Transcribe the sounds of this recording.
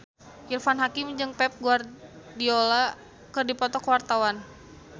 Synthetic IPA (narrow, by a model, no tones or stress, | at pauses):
irfanɦakɪmd͡ʒɨŋpɛp̚ɡuar | diola | kɨrdipɔt̪ɔkəwart̪awan